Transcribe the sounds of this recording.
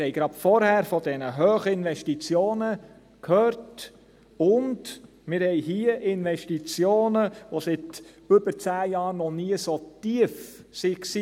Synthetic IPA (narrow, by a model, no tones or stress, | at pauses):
hɛɪjɡ̥ɾɑtfɔɾhæːɾfɔd̥ɛnəɦøːχəɪnʋɛʃtit͡sjoːnə | kʰhøːɾt | ʊnd | mɪɾhɛjɦiːəʔɪnʋɛʃtit͡sjoːnəʋosɪt | ʏb̥əɾt͡sæːjɑːɾnɔniəsotiəfsiksiː